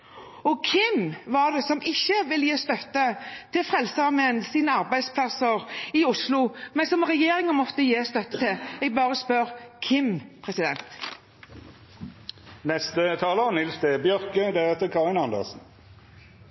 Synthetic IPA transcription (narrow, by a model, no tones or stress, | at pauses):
ɔkʰɪmʋɑɖ̪ɛsɔmɪçːəʋɪljeːst̪œt̪ːət̪ʰɪlfʁɛlsəɑmɛnsiːnəɑʁbæɪd̪spʰlɑsəʁɪʊslʊmɛnsɔmʁɛjeːɾɪŋənmɔt̪ːəjeːst̪œt̪ːət̪ʰɪlɛɡ̚bɑːʁəspœʁkʰɪmpʰʁɛsɪd̪ɛnt̪ | nɛst̪ət̪ʰɑːləʁənɪlsd̪ɛbjœʁkəd̪æʁɛt̪ːəkʰɑʁɪnɑnd̪ə̰ʁsn̩